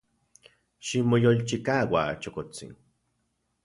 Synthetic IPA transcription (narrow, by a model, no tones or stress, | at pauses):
ʃimojolt͡ʃikaːwat͡ʃokot͡sḭn